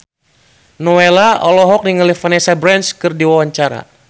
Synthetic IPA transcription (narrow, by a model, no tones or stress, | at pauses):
nɔelaʔɔlɔɦɔk̚niŋəlifanɛsabɾɛnskɨrdiwawaɲt͡ʃaɾa̰